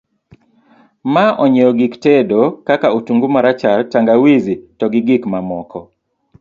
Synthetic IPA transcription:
maʔɔɲɛɔɡiktedokakautuŋɡumaɾat͡ʃartaŋɡawizitɔɡɪɡɪkmamɔkɔ

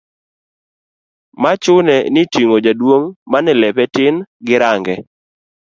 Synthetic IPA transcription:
mat͡ʃʊnɛnɪtiŋod͡ʒadwoŋmanɪlɛpɛtɪnɡɪɾaŋɡɛ

